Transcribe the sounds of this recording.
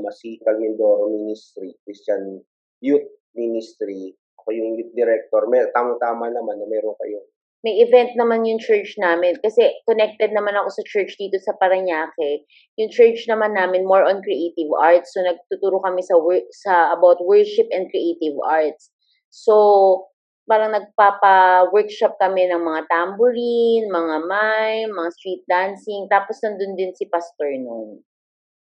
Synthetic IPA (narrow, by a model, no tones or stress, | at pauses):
mɐsikɐlŋɪnd̪oːɾominist̪ɾikɾist͡ʃan | jut̪̚ | minɪst̪ɾi | ʔɐkojʊŋjut̪̚d̪ɛɾɛk̚t̪oɹmɛt̪aːmɐŋt̪aːmanɐmanːɐmɛːɾoŋkɐjo | mɐjɪvɛnt̪̚nɐmanjʊŋt͡ʃɛɹt͡ʃnaːmɪnkɐsɛkonɛk̚t̪ɛd̪̚nɐmanɐko̞sɐt͡ʃɛɹt͡ʃd̪iːt̪o̞sɐpɐɾɐɲaːkɛ | jʊŋt͡ʃɛɹt͡ʃnɐmanːaːmɪnmoɹʔɐnkɾiʔejt̪ɪva̰ɹt̪sːonɐɡ̚t̪ut̪uːɾokɐmɛsɐwsɐʔɐbawt̪̚wɛɹʃɪpʔɛn̚kɾiʔeːt̪ɪvʔa̰ɹt̪̚sː | o | paːɾɐŋnɐɡ̚papɐwɛɹkʃɐp̚kɐmɛnɐŋmɐŋat̪ambʊɾinmɐŋamajnmɐŋast̪ɹit̪̚d̪ansɪŋt̪aːposnɐnd̪ond̪ɪnsɪpast̪oɹnon